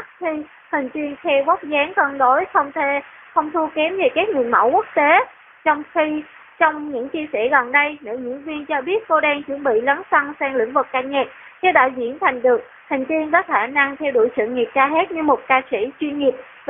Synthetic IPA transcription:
t̚t̪ʰi˧ | hï˨˩ŋ̟t̪i˧ənxʰɛ˧wɣɔ˦˥wk͡p̚zaː˨˦ŋkɔ˧nɗo˨˦jxə˧wŋ͡mt̪ʰe˧ | xə˧wŋ͡mt̪ʰu˧kɛ˨˦mve˨˩kaː˦˥k̚ŋɨ˨˩ənma̰˧˥wku˦˥ək̚t̪e˨˦ | t͡ɕɔ˧wŋ͡mxi˧ | t͡ɕɔ˧wŋ͡mɲɨ̰˧˥ŋt͡ɕi˧əsɛ̰˧˩ɣɔ˨˩nɗə˧jnḛ˧˩ɲɨ̰˧˥əŋvi˧ənt͡ɕɔ˧ɓi˦˥ət̚ko˧ɗɛː˧ŋt͡ɕwə˧˥ənɓḭ˧˨lə˨˦nsə˧nsɛː˧ŋlḭ˧˥ŋvɨ˨˩kːaː˧˩ɲɛ˨˩t̚ | ke˨˦ɗɔ̰ː˧˩zḭ˧˥ənt̪ʰa˨˩jŋ̟ɗɨ˨˩ək̚ | hï˨˩ŋ̟t̪i˧ənkɔ˨˦xaː˧˩na˧ŋt̪ʰɛ˧wɗu˧˩əjsɨ̰˧˨ŋi˨˩p̚kaː˧ɦɛ˦˥t̚ɲɨ˧mo˨˩t̚kaː˧sḭ˧˩t͡ɕwi˧ənŋi˨˩əp̚

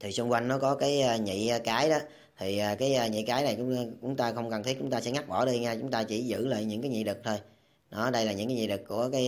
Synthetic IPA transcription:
t̪ʰi˨˩sʊ˧ŋ͡mkwa˧jŋ̟nɔ˨˦kɔ˨˦kaː˨˦jə˧ɲḭ˧˨˧kaː˨˦jɗɔ˨˦ | t̪ʰi˨˩ʔaː˨˩kaː˨˦jəː˧˩ɲḭ˧˨kaː˨˦jna˨˩jkʊ̰˧˥ŋ͡mt͡ɕʊ̰˨˥˦ŋ͡mt̪aː˧xə˧wŋ͡mkə˨˩nt̪ʰi˦˥kt͡ɕʊ˨˦ŋ͡mt̪aː˧sɛ̰˧˥ŋa˦˥k̚ɓɔ˧˩ɗi˧ŋaː˧t͡ɕʊ˨˦ŋ͡mt̪aː˧t͡ɕi˧˩zɨ̰˧˥lə̰ː˧˨jɲɨ̰˧˥ŋkaː˨˦ɲḭ˧˨ɗ̪ɨ˨˩k̚t̪ʰo˧j | ɗɔ˨˦ɗə˧jlaː˨˩ɲɨ̰˧˥ŋkaː˨˦ɲḭ˧˨ɗ̪ɨ˨˩k̚ku˧˩əkaː˨˦

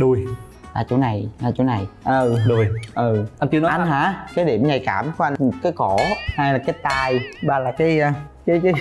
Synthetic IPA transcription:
ɗu˧˩j | laː˨˩t͡ɕo˧˦na˨˩jlaː˨˩t͡ɕo˨˧˦na˨˩jʔə˨˩ɗo˨˩jʔɨ˨˩ʔa˧nt͡ɕnɔ˨˦ʔa˧nɦa̰ː˧˥kaː˨˦jɗi˧˩əmɲa˨˩jkaː˧˩mku˧˦ʔa˧n˩kaː˨˦jkɔ˧˩ha˧jlaː˨˩kaː˨˦jt̪aː˧jɓaː˨˩laː˨˩kaː˨˦j | kaː˨˦jkaː˨˦

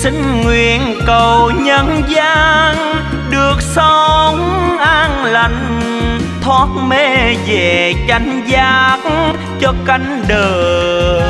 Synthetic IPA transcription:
sï˧˦ŋ̟ŋwi˨ənkə˨˩wɲə˧˨nzaː˧ŋ | ɗɨ˨˩ək̚sə˧ŋ͡mʔaː˧ŋla˧˨˩ŋ | t̪ʰwa˨˦˥t̚me˧ve˧˩t͡ɕa˨˧˦jŋ̟zaː˧˦k̚ | t͡ɕɔ˧ka˧jŋ̟ɗəː˨˩

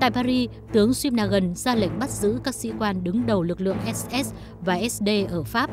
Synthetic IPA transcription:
t̪a̰ː˧˨jpaː˧ɾi˧ | t̪ɨ˨˦əŋswi˧mnaː˨˩ɣə˨˩nzaː˧la̰˧˩jŋ̟ɓa˦˥t̚zɨ̰˧˥kaː˦˥k̚sḭ˧˥kwaː˧nɗɨ˨˦ŋɗə˨˩wlɨ˨˩k̚lɨ̰˧˨əŋʔɛ˦˥sʔɛ˦˥s | vaː˨˩ʔɛ˦˥sɗe˧ʔəː˧˩faː˦˥p̚

